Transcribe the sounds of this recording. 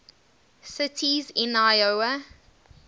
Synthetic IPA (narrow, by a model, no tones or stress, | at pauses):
sɪtʰizɪ̃naɪoə